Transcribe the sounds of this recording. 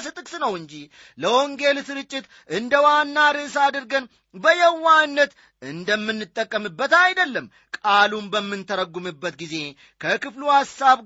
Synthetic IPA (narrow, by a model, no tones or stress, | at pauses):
sɨt̪ʼɨkʼsnəwɨɲd͡ʒi | ləʔoŋɡe̞lsɨɾɨt͡ʃʼːɪt̪ | ʔɨnd̪əwanːaɾɨsad̪ɨɾɡən | bəjɛwːanːət̪ | ɨnd̪əmːɨnːɨt̪ʼːəkʼːəmɨbːət̪ajd̪əlːəmː | kʼalumbəmːɨnt̪ʰəɾəɡːumɨbːət̪ɡize̞ | kʰəkɨfluhasːaβ